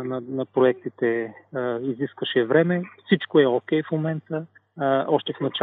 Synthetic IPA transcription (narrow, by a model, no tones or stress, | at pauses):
nɐnɐpɾoɛk̚t̪it̪ɛ | iziskvəʃɛvɾɛmɛfsit͡ʃkoɛokʲɛjfmomɛnt̪ə | ɔʃt̪ɛfnɐt͡ʃa